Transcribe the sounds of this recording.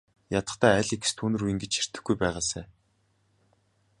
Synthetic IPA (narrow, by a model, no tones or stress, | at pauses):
jat̪ə̥̆t̪ʰæːæɮik̆st̪ʰuːnɵ̆ɾujɘ̆ŋɡet͡ɕxir̥t̪ɘ̆xɡujpæːʁaːsæ̰ː